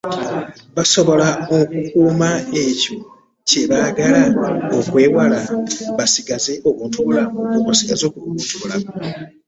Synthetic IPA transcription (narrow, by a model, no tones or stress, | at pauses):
βaso̞βo̞laokukuːmaeco̞ | ce̞βaɡalaokwe̞ːwalaβasiɡazeʔokuːntuβulamukokosiɡazo̞ːkuuntuβulamo